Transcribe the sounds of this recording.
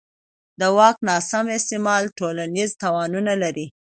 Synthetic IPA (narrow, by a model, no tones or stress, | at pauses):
d̪əwɑknɑsamɪst̪ɪmɑlʈolanizt̪ɑwɑnunalaɾi